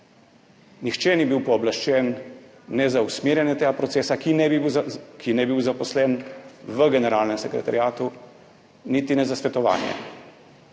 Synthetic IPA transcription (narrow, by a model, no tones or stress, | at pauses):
nixt͡ʃɛːnibiwpɔːblaʃt͡ʃɛnː | ɛzausmeːɾjɛnjɛt̪eːɡapɾɔt̪seːsakinɛkʰinɛbiwzapɔslɛnʋəɡɛnɛɾaːlnɛmsɛkɾɛ̰t̪a̰ɾjaːt̪u | nit̪inɛzasʋɛt̪ɔʋa̰ːnjɛ̰